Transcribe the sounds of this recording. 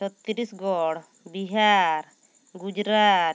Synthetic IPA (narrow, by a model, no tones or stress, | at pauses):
sɔt̪ːiɾisɡɔɽ | biɦaɾ | ɡud͡ʒɾa